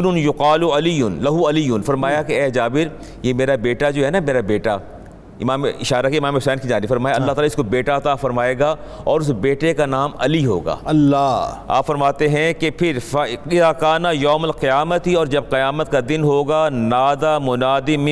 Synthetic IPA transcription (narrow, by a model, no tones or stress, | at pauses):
nʊnjʊqaːlʊɐlijːʊnlɐɦuɐlijːʊnfɐɾmaːjakeɛːd͡ʒaːbɪɾ | jemeːɾabeːʈad͡ʒoːɦɛːnameːɾabeːʈa̰ | ɪmaːmɪʃaːɾakeɪmaːmeɦʊsɛːnkid͡ʒaːnifɐɾmaːjaɐlːaɦt̪aːlaɪskobeːʈaɐt̪afɐɾmaːeːɡa | ɔːɾʊsbeːʈekanaːmɐliɦo̰ːɡa̰ːɐlːaa̰ːpfɐɾmaːt̪eɦɛ̃kepʰɪɾfɐɪðaːkaːnajoːmɐlqɪjaːmət̪iɔːɾd͡ʒɐb̚qɪjaːmət̪̚kad̪ɪnɦoːɡanaːd̪amʊnaːd̪im